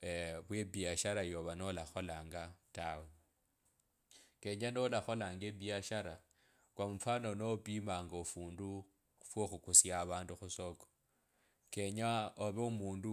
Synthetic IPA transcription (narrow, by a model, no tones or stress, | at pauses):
βwebiaʃaɾajoβanolaxolaːŋɡatawe | ke̞ɲanolaxo̞laːŋɡebiaʃaɾa | kwamufanonopimaːŋɡaufuːndu | fwoxukusjaβaːnduxusoko̥ | ke̞ɲaoβeumuːndu